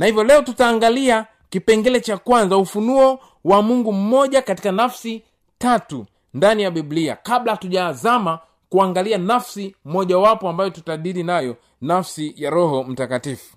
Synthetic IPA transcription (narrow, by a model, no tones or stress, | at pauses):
nahivjɔlɛɔtutaːŋɡalia | kipɛŋɡɛlɛt͡ʃakwanzaufunuɔ | wamuŋɡum̩mɔʄakati̥kanafsi | tatṵ | ndanijaɓiblia̰kaɓlatuʄazama | kuaŋɡalianafsim̩mɔʄawapɔambajɔtutaɗiɾinajɔ | nafsijaɾɔhɔm̩takatifu̥